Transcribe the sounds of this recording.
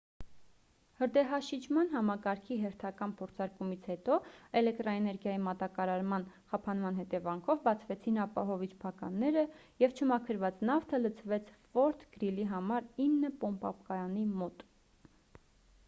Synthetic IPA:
həɾd̪ɛɦɑʃit͡ʃʰmɑn̪ɦɑmɑkɑɾkʰiɦɛɾt̪ʰɑkɑnpʰɔɾt͡sʰɑɾkumit͡sʰhɛt̪ɔɛlɛk̚t̪ɾɑɛnɛɾɡjɑjimɑt̪ɑkɑɾɑɾmɑnχɑpʰɑnmɑn̪ɦɛt̪ɛvɑŋkʰɔvbɑt͡sʰvɛt͡sʰinɑpɑɦɔvit͡ʃʰpʰɑkɑ̰nːɛɾə | jɛvt͡ʃʰəmɑkʰəɾvɑt͡snɑft̪ʰələt͡sʰvɛt͡sʰvɔɾt̪ʰɡ̥əɾiliɦɑmɑɾinːəpɔmpɑ̰pkɑjɑnimɔt̪

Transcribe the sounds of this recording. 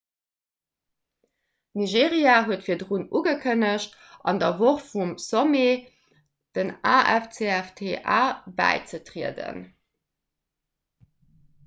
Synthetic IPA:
niʒeːʁiaːɦuətfiːɐdʁunuɡəkʰənəɕt | ʔɑ̰ndɐvoχfumsome | d̥ənaːɛft͡seæftʰeʔaːbæ̰ɪt͡sətʁiədə̰n

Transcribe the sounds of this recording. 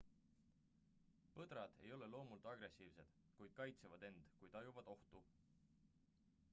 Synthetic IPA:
pɤd̪̥ɾɑd̪̥e̞̰jo̞le̞lo̞ːmult̪ˑɑɡɾe̞siːvse̞d̪̥ | kujd̪̥̚kɑjt̪sevɑd̪e̞nd̪̥kujt̪ɑjuvɑd̪̥o̞ht̪u

